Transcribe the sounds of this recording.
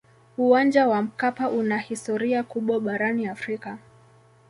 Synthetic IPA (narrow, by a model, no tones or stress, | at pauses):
uand͡ʒawam̩kapaʔunahistɔɾiakuɓwaɓaɾaniafɾika